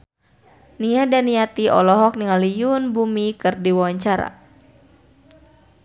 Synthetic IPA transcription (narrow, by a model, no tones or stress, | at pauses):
niadaniat̪iʔɔ̰lɔɦɔk̚niŋalijunbumikɨrdiwawaɲt͡ʃaɾa̰